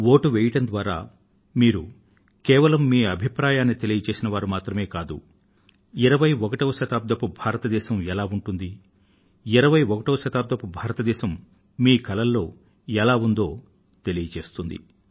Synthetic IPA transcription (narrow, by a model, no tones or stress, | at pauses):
ʋo̞ːʈuʋɛːjɐʈɐnd̪ʋaːɾa̰ː | miːɾu | kɛːʋɐlɐmːiːɐbʱipɾaːjaːnːit̪e̞lijɐt͡ʃe̞ːsinɐʋaːɾumaːt̪ɾɐme̞ːkaːd̪ṵ | iɾɐʋɐjɔkɐʈoːʃɐt̪aːb̚d̪ʱɐpubʱaːɾɐt̪ɐd̪ɛːʃɐmɛlaːuɳʈund̪i | iɾɐʋɐjɔkɐʈoːʃɐt̪aːb̚d̪ʱɐpubʱaːɾɐt̪ɐd̪ɛːʃɐmː | iːkɐlɐlːo̞ː | ɛlaːund̪o̞ː | t̪e̞lijɐt͡ʃe̞ːst̪und̪ḭ